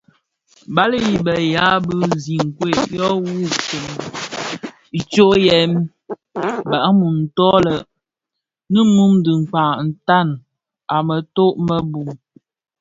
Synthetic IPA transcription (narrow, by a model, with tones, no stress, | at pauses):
ba˦lə˦i˨bə˨ja˨˦bɨ˦zi˨ŋ˨kwe˦˨ʔjɔ˦wu˦te˨n˨ | i˨t͡ʃo˦jɛ˨˦m | ba˨ʔmu˨n̩˨tɔ˦lə˨ | nə˦mu˦mdɨ˨ŋ̩˨k͡pa˨n̩˨ta˦˨n | a˨mə˨to˦ʔmə˦bu˨m